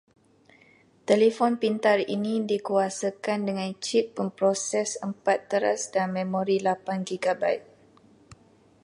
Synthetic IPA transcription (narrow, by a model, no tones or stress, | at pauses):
t̪elefɔnpint̪arḭnĩdikuasəkandəŋãnt͡ʃip̚ːəmpɾɔsɛsəmpat̪ːəɾa̰sdanmẽmɔɾilapanɡiɡaba̰jt̪̚